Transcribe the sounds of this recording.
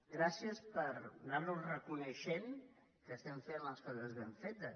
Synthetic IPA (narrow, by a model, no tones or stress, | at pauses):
ɡɾasiəspəɾnaɾnurəkunəʃen | kəːst̪ɛɱfenləskɔðəzðəɱfet̪ə